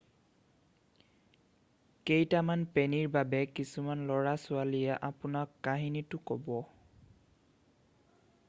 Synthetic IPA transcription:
kejtamanpeniɹbabɛkisumanlɔɹasʊalijɛʔapʊnakːaɦinitʊkɔbɔ

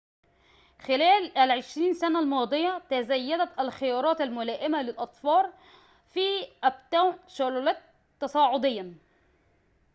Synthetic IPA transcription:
xɪlæːlælʕɪʃɾiːnsænalmɑːd̪ˤɨjat̪azæjːæd̪æt̪alxɪjɑːɾˤɑːt̪almʊlæːʔɪmalɪlʔɑt̪ˤfɑːɾ | fiːʔæbt̪aːʃʊɾuːlæt̪ | t̪ːɑsˤɑːʕʊd̪ɪjːa

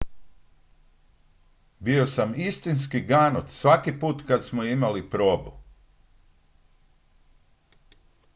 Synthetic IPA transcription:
bio̞samist̪inskiɡaːnot̪sʋakipuːt̪kat̪smoimalipɾoːbu

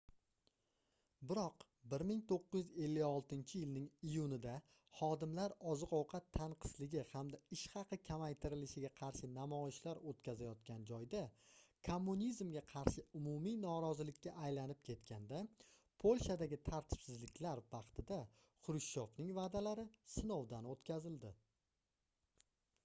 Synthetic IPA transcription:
bɪɾɒq | bɪɾmɪŋt̪ʰoqːɨj̪ʏze̞lːɪjɒlˠt̪ɪnt͡ʃʰɪjɪlnɪŋijʊnɪd̪a | χɒd̪ɪmlaɾɒzɨqɒwqʰɑt̪ʰːaɴqʰɨ̥slɪɡʲɪhamd̪aɪʃχɑqʰɨkʲʰamajt̪ʰɪɾɪlɪʃɪɡʲaqʰɑɾʃɪnamɒɪʃlaɾot̪kʲʰazajɒt̪kʲʰand͡ʒɒjd̪akʰomːunʲizmɡʲaqʰɑɾʃɪʊmʊmijnɒɾɒzɪlɪkʲːaːjlanɪp̚kʲʰe̞t̪kʲʰand̪a | pʰolʲʃad̪aɡʲɪt̪ʰaɾt̪ʰɪ̥psɪzlɪkʲlaɾvɑqt̪ʰɪd̪a | qʰʊɾɪʃːɒfnɪŋvaːd̪alaɾɪsɪnowd̪anot̪kʲʰazɪld̪ɪ

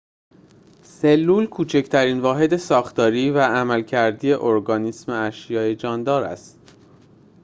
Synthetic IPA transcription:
se̞lːuːlkʰuːt͡ʃʰe̞ct̪ʰæɾiːnvɒːɦe̞d̪e̞sɒːxt̪ɒːɾiːvææmælcʰæɾd̪iːe̞ʔoɾɡɒːnismeæʃjɒːjed͡ʒɒːnd̪ɒːɾæ̰st̪

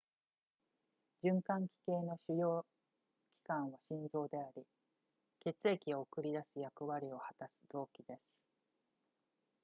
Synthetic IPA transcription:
d͡ʑɨ̃ŋkãŋkʲi̥ke̞ːno̞ɕɨjo̞ː | kʲi̥kãɰ̃βaɕĩnd͡zo̞ːd̪e̞aɾʲi | ke̞t͡sɨe̞kʲio̞ːkɯ̟ɾʲid̪asɨjakɯ̟βaɾʲio̞hat̪asɨ̥d̪̥o̞ːkʲid̪e̞sɨ̥

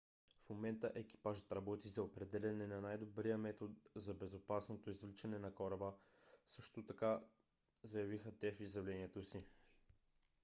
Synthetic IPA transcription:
fmomɛnt̪əʔɛk̟i̥paʒət̪ɾɐbɔt̪izɐopɾɛd̪ɛlʲɐnɛnɐnajd̪obɾijəmɛt̪ot̪̚zɐbɛzopasnot̪oizvlit͡ʃɐnɛnɐkɔɾɐbəsɤʃt̪ot̪ɐka | zɐjɐvixət̪ɛfizjɐvlɛniɛt̪osi

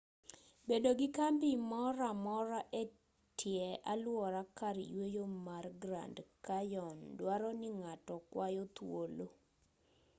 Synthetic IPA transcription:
bedoɡɪkambimɔɾamɔɾaʔe | tʰjɛalwɔɾakaɾjwejomarɡɾa̰ndkajɔndwaɾɔnɪŋatɔkwajɔt̪wolo

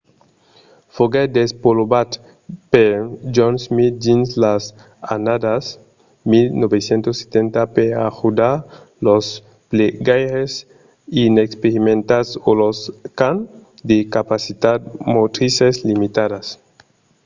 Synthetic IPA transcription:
foɡed̪espolobat̪ | ped͡ʒonsmit̪̚d͡ʒinslas | a̰nad̪as | milnobesjent̪osːe̥t̪ent̪apea̰xud̪aɾ | los | pleɡajɾes | inekspeɾimẽnt̪asoloskand̪ekapasit̪ad̪mot̪ɾiseslimit̪adas

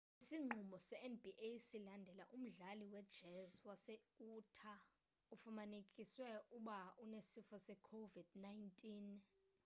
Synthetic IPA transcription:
isiŋ͡ǃʱumɔsɛɛnbʱiʔesilandʱɛlaʔum̩ɮaliwɛd̥ʒ̥ʱɛzwasɛuːtʰa | ufumanekʼiswɛuɓaunesifɔsɛkʰovid̥najntʼin

